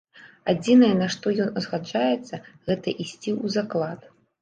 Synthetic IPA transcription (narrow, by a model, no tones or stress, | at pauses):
ad͡zʲinɐjɛnɐʂt̪ɔjɔnɐzɣad͡ʐajɛt̪sːɐɣɛt̪ɐʔisʲt͡sʲiuzaklˠat̪